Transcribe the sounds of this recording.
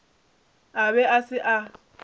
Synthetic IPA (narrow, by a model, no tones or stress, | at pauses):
aβɛasɪʔa